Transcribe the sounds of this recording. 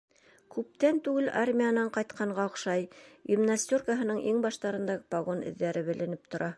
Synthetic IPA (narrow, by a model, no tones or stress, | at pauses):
kʉp̚t̪ænt̪ʉɡɘlʔarmʲijanɑɴqɑjt̪qʰɑɴɢɑŏqʃɑjɡɪmnasʲt̪ʲorkaɦɤ̆nɤɴʔiŋbɑʃt̪ɑɾɤ̆nd̪ɑɡɤpɑɡonɘ̰̆ðːæɾɘβɘ̆lɘ̆nɘp̚t̪ŏɾʔɑ